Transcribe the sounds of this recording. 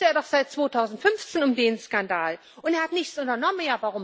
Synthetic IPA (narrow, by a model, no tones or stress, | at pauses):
əeːɐɾɔχz̥aɪt̚t͡sv̥oːtʰaʊzn̩tfʏnft͡seːnʊmdeːnskandaːl | ʔʊnteɐhatnɪçt͡sʔʊntɐnɔmənjaːvaʁʊm